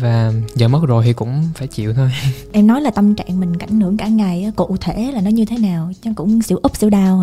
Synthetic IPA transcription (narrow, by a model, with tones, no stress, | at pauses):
vaː˨˩zəː˨˩mə˦˥t̚zo˨˩jt̪ʰi˨˩kʊ̰˧˥ŋ͡mfaː˧˩jt͡ɕḭ˧˨wt̪ʰo˧jʔɛ˧mnɔ˨˦jlaː˨˩t̪ə˧mt͡ɕa̰ː˧˨ŋmï˨˩ŋ̟ka̰˧˩jŋ̟nɨ˧˩əŋkaː˧˩ŋa˨˩jʔːko̰˧˨t̪ʰe˧˩˦laː˨˩nɔ˨˦jɲɨ˧t̪ʰe˨˦naː˨˩wt͡ɕa˧˨˦kʊ̰˧˥ŋ͡msḭ˧˩wʔʊ˦˥p̚sḭ˧˩wɗaː˧w